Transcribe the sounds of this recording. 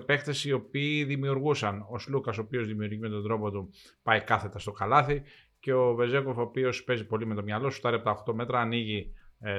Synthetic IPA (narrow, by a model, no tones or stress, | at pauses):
pe̞kt̪e̞sio̞piːðimiuɾɣusɐno̞slukɐsoːpio̞zðimiuɾʝime̞t̪o̞nd̪ɾo̞po̞t̪u | pɐjikɐθe̞t̪ɐst̪o̞kɐlɐθi | ce̞o̞ve̞ze̞ko̞fo̞pio̞spe̞zipo̞lime̞t̪o̞mɲɐlo̞su̥st̪ɐlept̪ɐoxt̪o̞me̞t̪ɾɐːniʝi